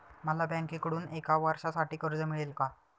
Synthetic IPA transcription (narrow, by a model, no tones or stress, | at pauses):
məlabãŋkekəɽuːnekaʋaɾɕasaʈiːkəɾd͡zəmiɭelka